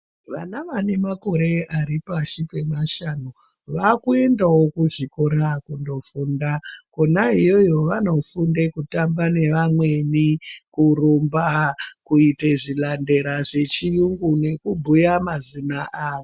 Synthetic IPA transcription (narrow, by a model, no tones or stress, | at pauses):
ʋa̰naʋanemako̞ɾe̞aɾipaʃipe̞maʃano | ʋakue̞ndawo̞kuʐikoɾakundo̞fundakonaɦijo̞jo̞ʋano̞fundekutambane̞ʋamwe̞nikurombakuiteʐilande̞ɾaʐe̞t͡ʃijuŋɡune̞kubʱujamazinaʔaːʋo